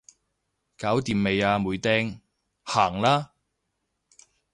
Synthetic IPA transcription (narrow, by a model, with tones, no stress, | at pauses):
kaː˨˥wt̪iː˨˧mːe˨˧jaː˧muː˨˧jt̪ɛː˥ŋ | haː˨˩ŋlaː˥